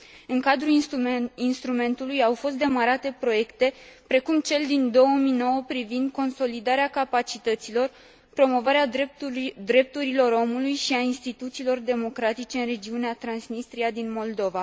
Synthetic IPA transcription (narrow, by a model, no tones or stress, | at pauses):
ɨŋkad̪ɾu | inst̪ɾume̞nt̪ulujawfo̞st̪d̪emaɾat̪e̞pɾo̞je̞kt̪e̞pɾe̞kumt͡ʃe̞ld̪ind̪o̞wəmino̞wəpɾivind̪̚ko̞nso̞lid̪aɾeakapat͡ʃit̪ət̪silo̞r | pɾo̞mo̞vaɾea | d̪ɾe̞p̚t̪uɾilo̞ɾo̞mulujʃiainst̪it̪ut̪siːlo̞rd̪e̞mo̞kɾat̪it͡ʃe̞ɨnre̞d͡ʒiuneat̪ɾansnist̪ɾiad̪inmo̞ld̪o̞va